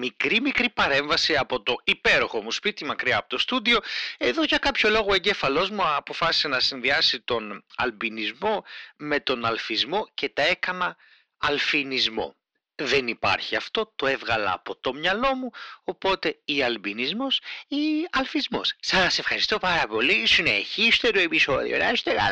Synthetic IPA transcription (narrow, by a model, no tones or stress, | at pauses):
mikɾimikɾipɐɾe̞ɱvɐsiɐpo̞t̪o̞ipe̞ɾo̞xo̞muspit̪imɐkɾiɐːpo̞t̪o̞st̪ud̪io̞e̞ðo̞ʝɐkɐpçolo̞ɣoe̞ɲɟe̞fɐlo̞zmupo̞fɐsi̥se̞nɐsinðiɐsit̪o̞nɐ̰lbinizmo̞me̞t̪o̞nɐlfizmo̞ce̞t̪ɐe̞kɐnɐː | lfinizmo̞̰ | ðe̞nipɐ̰ɾçiɐft̪o̞t̪o̞e̞vɣɐlɐ̰ːpo̞t̪o̞mɲɐlo̞muopo̞t̪e̞iɐlbinizmo̞siɐlfizmo̞̰ssɐse̞fxɐɾist̪o̞pɐɾɐpo̞lisine̞çist̪e̞ɾoe̞piso̞ðḭo̰nɐ̰est̪eɣɐ̰